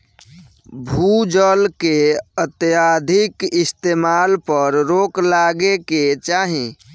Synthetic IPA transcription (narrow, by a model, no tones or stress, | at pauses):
bʱud͡ʒəlkeət̪jad̪ʱikist̪emalpəɾɾoklaɡeket͡ʃaɦĩ